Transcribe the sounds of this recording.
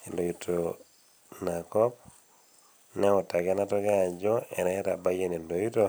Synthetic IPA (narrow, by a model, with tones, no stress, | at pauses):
i˨lo˨ju˨tʰo˨ | na˨kɔ˦p̚ | nɛ˦ɔ˨ta˨ɡɛ˦na˦tɔ˦ɡa˦˨d͡ʒɔ˦ɛ̰˨nɛ˦ta˨ba˦je˦ni˨ndo˨ju˦to˦